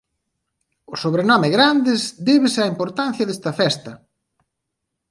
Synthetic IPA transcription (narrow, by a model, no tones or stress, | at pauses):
ʊsoβɾenɔmɪɣɾand̪ɪzd̪eβɪsɐimpoɾt̪an̟θjɐðɛst̪ɐfɛst̪ɐ